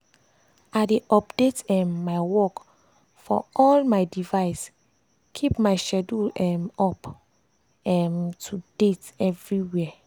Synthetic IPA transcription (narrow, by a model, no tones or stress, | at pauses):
adeʔɔpdetɛmːaɪwɔk | fɔ̰ɔlmaɪdivaɪs | kʰipmaɪʃɛduɛmɔp | ɛmtʰud̥etɛvɹiwɛ